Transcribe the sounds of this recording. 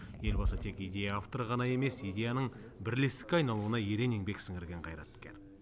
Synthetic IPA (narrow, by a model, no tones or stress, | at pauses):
je̞lbɑsət̪ʰe̞kijd̪ʲe̞jaaft̪oɾəʁɑnɑje̞me̞sijd̪ʲe̞janəɴ | bɪɾle̞st̪ɪ̥kʲɑjnɑlˠuənɑjeɾe̞neŋbe̞ksɪŋɪɾɡʲe̞ɴqʰɑjɾɑ̰t̪kʲeɾ